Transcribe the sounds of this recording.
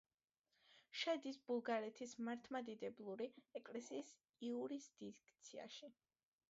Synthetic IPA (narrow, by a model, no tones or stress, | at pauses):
ʃɛd̪isb̥ulˠɡaɾɛt̪ʰismaɾt̪ʰmad̪id̪ɛblˠuɾiɛkʼlɛsiːs | iuɾisd̪̥ikt̪sʰia̰ʃi